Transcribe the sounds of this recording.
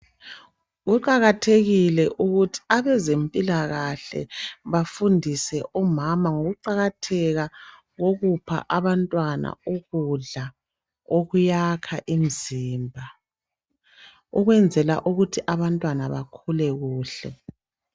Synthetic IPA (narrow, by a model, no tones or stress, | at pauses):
ɣuǃaɣatʰeɣilɛʔuɣutʰi̥aβɛzempʼilaɣaɬɛ̰βafundʱisɛʔɔmamaŋoɣuǃaɣatʰɛɣa | ɣoɣupʰa̰ʔaβantʼwana̰uɣuɮa | oɣujakʰaʔim̩ziːmbʱa | uɣwɛnd͡zʱɛla̰ʔuɣutʰiʔaβantʼwanaβakʰulɛɣuːɬɛ̰